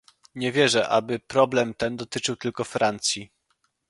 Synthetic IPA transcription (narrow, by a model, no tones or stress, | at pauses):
ɲɛvʲjɛʐɛʔa̰bɘpɾɔblɛmt̪ɛnd̪ɔt̪ɘt͡ʂɘwt̪ɘlkɔfɾant̪sʲji